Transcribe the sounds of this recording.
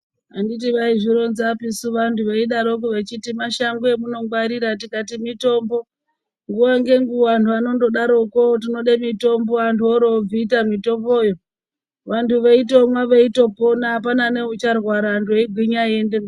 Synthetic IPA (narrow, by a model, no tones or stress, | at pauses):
anditiʋaiʐiɾo̞nzapisuʋantʰuʋeiɗaɾo̞k̬uʋet͡ʃitimaʃaŋɡuemuno̞ɡwaɾiɾat̬ikatimito̞mbo̞ | ŋɡuwaŋɡe̞ŋɡuantʰuano̞ndo̞ɗaɾo̞kot̬ino̞ɗemito̞mboantʰuoɾob͡vitamito̞pojo | ʋantʰuʋeitomwaʋeito̞po̞naːp̬anane̞ut͡ʃarwaɾantʰueiɡʱiɲajendem